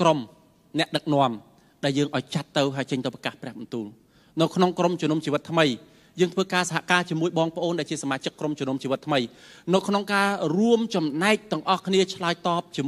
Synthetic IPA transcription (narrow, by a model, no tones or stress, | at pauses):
krom | nɛ̆əʔɗək̚nŏəm | ɗaɛljəːŋʔaɔjt͡ɕat̪ːɨwɦaəjt͡ɕəɲt̪ɨwprɑ̥kaːhprɛ̆əɓɑnt̪uːl | nɨwkʰnoŋkromt͡ɕuənumt͡ɕiːʋɨt̪ʰːməj | jəːŋt̪ʰʋəːkaːsaɦaʔkaːt͡ɕiəmuəjɓɑːŋpə̆ʔoːnɗaɛlt͡ɕiəsamaːt͡ɕəkːromt͡ɕuənuəmt͡ɕiːʋɨt̪ʰːməjnɨwkʰnoŋkaːruəmt͡ɕɑmnaɛc̚t̪ɨ̆əŋʔɑhkʰniət͡ɕʰlaəjt̪ɑːp̚t͡ɕiəm